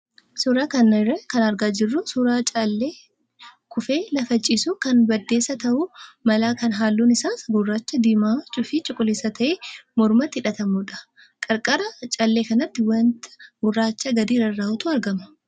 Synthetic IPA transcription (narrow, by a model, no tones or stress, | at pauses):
suːɾaːkɐnɐrːɐkɐnɐɾɡaːd͡ʒɪrːʊsuːɾaːt͡ʃʼɐlːeː | kʊfeːlɐfɐt͡ʃʼiːsukɐnbɐd̪ːe̞ːsːɐt̪ɐʔʊmɐlaːkɐnɦaːlːuːnɪsaːsɡʊrːaːt͡ʃːɐd̪iːmaːt͡ʃʼʊfɪt͡ʃʼʊkʼːʊleːsɐt̪ʰɐʔeːmɔɾmɐt̪ːɪᶑɐt̪ɐmuᶑɐ̥ | kʼɐɾkʼɐɾɐt͡ʃʼɐlːeːkɐnɐt̪ːɪwɐnt̪ʰɐ̥ɡʊrːaːt͡ʃːɐɡɐd̪iːɾɐrːaːhʊt̪ʊɐɾɡɐmɐ